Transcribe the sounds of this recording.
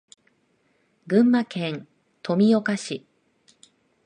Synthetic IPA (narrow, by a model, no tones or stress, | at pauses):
ɡɯ̟̃mːakẽ̞ŋ | t̪ʰo̞mʲijo̞kaɕi